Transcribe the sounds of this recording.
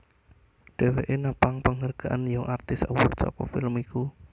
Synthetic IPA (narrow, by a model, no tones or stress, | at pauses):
ɖ̥ɛ̤weʔenapaŋpəŋərɡ̥aʔanjɔʔart̪ɪsəwʊ̰rt̪sɔ̰kɔ̰fɪlmiku